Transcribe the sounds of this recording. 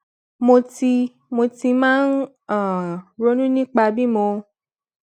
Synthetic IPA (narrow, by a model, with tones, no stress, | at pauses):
mo˧ti˧ | mo˧ti˧mãː˦n˦ | a˦˨ɾo˨˦nũ˦nĩ˦k͡pa˧bi˦˨mõ˧